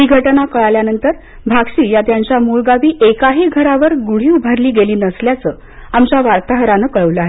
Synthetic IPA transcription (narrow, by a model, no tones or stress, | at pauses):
ɾiɡʱəʈnakəɭajljanənt̪əɾ | bʱaɡɕiːjat̪jaɲt͡ɕjamuɭɡaʋiːʔekaɦiːɡʱəɾaʋəɾɡuɽ̤iːubʱaɾliːɡeliːnəsljat͡səː | amt͡ɕjaʋaɾt̪aɦəɾanəkəɭəʋləaɦe